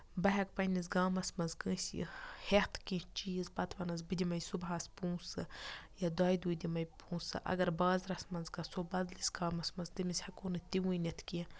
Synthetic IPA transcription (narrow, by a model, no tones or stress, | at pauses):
bɐɦʲɐk̚pɐnʲiz̬ɡaːmɐsmɐnzkɨ̃ːsʲḭheht̪ʰkĩt͡ʃijizbɐt̪ʰʋɐnɐzbɨd̪ʲimɐjsubɦaːspũːsɨjɐd̪ɐːjd̪uːjd̪imɐjpũːsɨ̰ʔɐ̰ɡɐɾbaːzɾɐsmɐnzɡɐsobɐd̪lisɡaːmɐsmɐnzd̪ɨmisʲhɐkoːnɨt̪iwujnʲet̪ʰki